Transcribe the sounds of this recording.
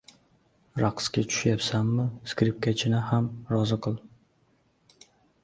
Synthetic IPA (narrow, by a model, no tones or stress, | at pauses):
ɾɑqskʲat͡ʃʰʊ̥ʃjapsamːɪskʲɾip̚kʲʰat͡ʃʰɪnɪhamɾɒzɨqʰɨlˠ